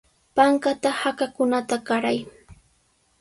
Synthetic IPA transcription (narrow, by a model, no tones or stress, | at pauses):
paŋkat̪ahakakʊnat̪aɢaɾaj